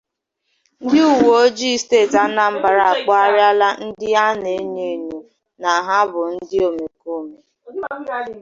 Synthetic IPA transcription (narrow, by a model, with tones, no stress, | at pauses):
n̩˦dɪ˦u˨wo˨o˦d͡ʒi˦steː˦˨ta˦na˨m̩˦ba˨ɾa˨a˨k͡pɔ˦a˦ɾɪ˦a˦la˦n̩˦dɪ˦a˦ne˨˦ɲe˨ɲo˨ | na˨ɦa˦bʊ˨n̩˦dɪ˦o˨me˨ko˦me˨